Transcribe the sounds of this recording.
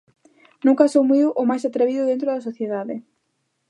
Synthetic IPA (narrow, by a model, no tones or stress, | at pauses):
nũŋkasowmujðʊʔomajsat̪ɾeβiðʊðent̪ɾoðɐsoθjeðaðɪ